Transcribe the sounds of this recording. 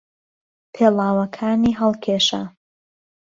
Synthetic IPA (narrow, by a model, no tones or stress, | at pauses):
pʰeːlˠaːwɐkʰaːniɦɐlˠkʰeːʃa̰